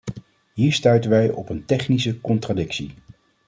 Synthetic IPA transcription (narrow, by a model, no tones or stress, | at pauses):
ɦiːɹstœɥtənʋɛjɔpəntɛχnisəkɔntradɪksḭ